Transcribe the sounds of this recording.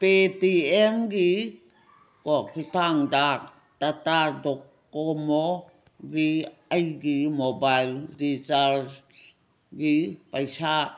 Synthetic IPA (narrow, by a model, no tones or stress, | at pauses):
petiemɡi | kɔkʰitaŋdak̚ | tatadɔkːomo | ɡiajɡimobajldizal | ɡipajsa